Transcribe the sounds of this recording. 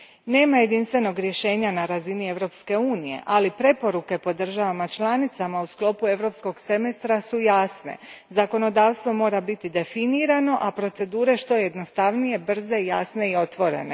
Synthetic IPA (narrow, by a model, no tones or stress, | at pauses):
ne̞ːmaje̞d̪inst̪ʋe̞no̞ɡɾje̞ʃe̞ːɲanaɾazinie̞ʋɾo̞pske̞uːnije̞̰ʔalipɾe̞po̞ɾuke̞po̞d̪r̩ʒaʋamat͡ʃlˠanit̪samausklˠo̞pue̞ʋɾo̞psko̞ɡse̞mest̪ɾasujaːsne̞̰zako̞no̞d̪aːʋst̪ʋo̞mo̞ːɾabit̪id̪e̞finiːɾano̞ʔapɾo̞t̪se̞d̪uːɾe̞ʃt̪o̞jed̪no̞st̪aʋnije̞br̩ze̞ijasne̞io̞t̪ʋo̞ɾe̞̰ne̞̰